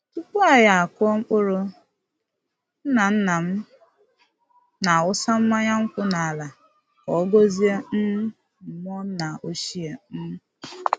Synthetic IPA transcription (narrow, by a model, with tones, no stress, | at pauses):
tu˦pu˦a˨ja˨a˨kɔ˦ŋ͡m̩˦k͡pʊ˦ɾʊ˦ | n̩˦na˨n̩˦na˨m̩˦ | na˨ʊ˦sa˦m̩˦ma˦ɲa˦ŋ̩˦kʷʊ˦na˨a˨la˨ | kɔ˨˦ɡo˦zi˦e˦m̩˦m˦ | m̩˨m˦ɔ˦na˨o˦ʃi˦e˨m̩˦m˦